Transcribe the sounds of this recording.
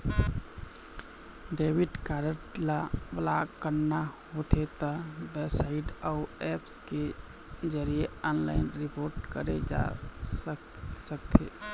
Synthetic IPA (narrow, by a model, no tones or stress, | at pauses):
ɖeːwɪʈkaɾəʈlablakəɾnahot̪ʰet̪abɛsaɪɖaʊɛːpske | d͡ʒəɾieɔːnla̰ːɪnɾɪpoːɾʈkəɾed͡ʒa̰ | sək̚t̪ʰḛː